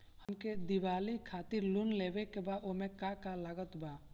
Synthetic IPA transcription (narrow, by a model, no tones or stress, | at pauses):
həmked̪iʋaːlikʰaːt̪ɪɾlunleːʋekebaomẽkakalaɡət̪baː